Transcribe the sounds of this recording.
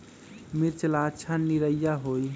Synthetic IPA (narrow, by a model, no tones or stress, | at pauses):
miɾt͡ʃəlat͡ʃʰanniɾəjːaɦoj